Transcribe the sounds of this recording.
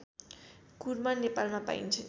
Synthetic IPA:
kuɾmanːepalmapa̰ḭnt͡sʰʌ

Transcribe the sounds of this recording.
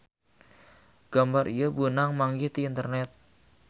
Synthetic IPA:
ɡ̥ambaɾijəbunaŋmaŋɡiht̪iːnt̪ərnɛt̪̚

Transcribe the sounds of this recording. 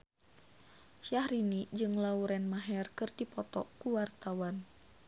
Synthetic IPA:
ʃahɾinid͡ʒɨŋlauɾɛnmaɦɛrkɨrdipɔt̪ɔkuwart̪awan

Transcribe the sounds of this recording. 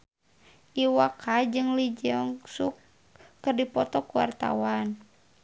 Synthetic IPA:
ʔiwakad͡ʒɨŋlid͡ʒəŋsukː | ɨrdipɔt̪ɔkuwa̰rt̪a̰wan

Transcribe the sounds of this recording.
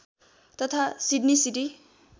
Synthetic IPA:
t̪ʌt̪ʰasiɖnisiʈi

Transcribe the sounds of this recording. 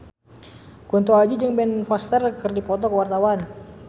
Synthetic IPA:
kunt̪uad͡ʒid͡ʒəŋbɛnfɔst̪ərkərdipɔt̪ɔkəwart̪awan

